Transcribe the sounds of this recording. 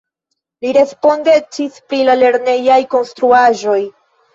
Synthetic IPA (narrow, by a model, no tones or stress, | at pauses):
liɾe̞spo̞nde̞t͡ʃispɾilale̞ɾne̞jajko̞nst̪ɾuaʒo̞j